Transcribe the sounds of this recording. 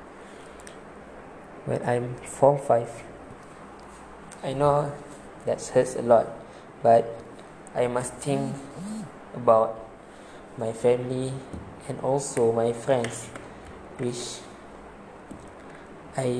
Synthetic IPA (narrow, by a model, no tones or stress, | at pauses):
wɛ̰̃nãjmfɔ̃mfaɪf | ajno | dɛtshətsə̰lɔt̚ | bat̚ | ajmast̪ʰĩŋk | əbawt̚ | majfɛ̃mliɛ̃nʔɔlsomajfɹɛ̃ns | wit͡ʃ | aj